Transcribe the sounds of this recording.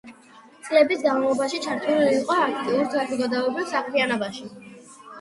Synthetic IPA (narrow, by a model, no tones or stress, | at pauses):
t̪sʼlɛbisɡanavlˠɔbaʃit͡ʃʰaɾt̪ʰuliiːqʼɔakʰt̪ʼiuɾt̪ʰazɔɡad̪aɔbilˠsaχʰɾianɔbaʃi